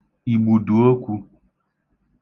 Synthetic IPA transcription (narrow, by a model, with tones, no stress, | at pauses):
i˨bu˨ɖu˨o˦ku˧